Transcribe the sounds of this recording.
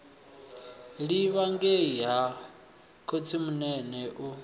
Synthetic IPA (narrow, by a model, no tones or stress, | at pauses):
ɺiβaŋɡeɦa | kʰot͡sʰimunɛnɛʔu